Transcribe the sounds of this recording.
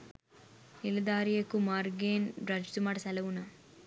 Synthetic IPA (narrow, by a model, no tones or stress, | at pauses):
ilid̪aːɾijɐkumaːɾɡeːnɖɾɐd͡ʒd̪umaɽsɐlɐʋunɐ